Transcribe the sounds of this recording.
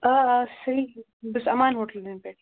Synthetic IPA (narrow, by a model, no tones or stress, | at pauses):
asɐɾi | bɐsɐmaːnɦoːʈɐld̪enpeːʈ